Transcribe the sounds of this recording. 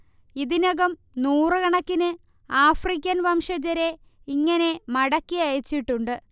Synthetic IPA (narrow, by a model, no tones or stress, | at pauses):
iðinɐɣɐm | nuːrɨkɐɳɐkːinɨ | aːfrik̬ʲːɐnʋɐmʂɐd͡ʑɐɾe | iŋːɐne̞mɐɽɐkːijɐjɐt͡ɕːiʈːuɳɖɨ